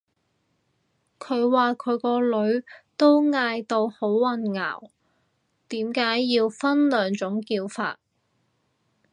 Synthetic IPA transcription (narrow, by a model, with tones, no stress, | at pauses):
kʰɵ˨˧ɥwaː˨kʰɵ˨˧ɥkɔː˧lɵ˨˧ɥt̪o˥wŋaː˧jt̪o˧who˨˥wːɐ˧nŋa̰ː˨˩w | t̪iː˨˥mkaː˨˥jːiː˧wfɐ˥nlœː˨˩ŋt͡ʃʊ˨˥ŋkiː˧wfa̰ː˧t̚